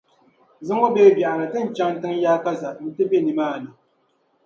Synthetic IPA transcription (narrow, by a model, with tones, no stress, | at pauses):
zɨ˦ŋo˦beː˦bjɛ˨ʔa˨la˨tɨ˦n˨t͡ʃa˦ŋtɨ˦ŋjaː˦ka˦za˨n̩˦tɨ˦be˦nɨ˨maː˦˨nɨ˨